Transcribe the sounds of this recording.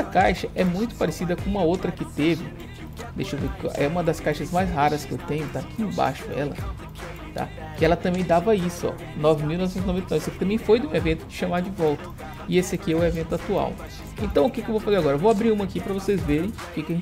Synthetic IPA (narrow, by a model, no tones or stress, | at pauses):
ɐkajʃɐʔɛmũj̃t̪ʊ̥paɾɪsid̪ɐkõũmɐowt̪ɾɐkɪt̪evɪ | d̪ejʃɐ̃d̪ʊkʔɛũmɐd̪ɐskajʃɐzmajzɦaɾɐskɪḛwt̪ẽɲʊt̪akʰiẽba̰ʃʊɛ̰lɐ̰ | t̪a̰ | kɪɛlɐt̪ɐ̃bẽj̃d̪avaisʊɔ̰ | nɔvɪmiwnɔvsẽt̪znɔvẽt̪ejnvsɐkɪ̥t̪ɐ̃mbẽj̃fojd̪ɪũevẽnt̪ʊd͡ʒɪʃɐ̃mad͡ʒɪvɔwt̪ɐ̥ | ɪesɪakiɛʊɛevẽnt̪ʊat̪ua̰w | ḛ̃nt̪ɐ̃w̃ʊkɪkɪewvowfazeɾaɡɔɾɐvoabɾiɾũmɐakipɾɐvosezveɾẽj̃ʊkekɪɐʒẽ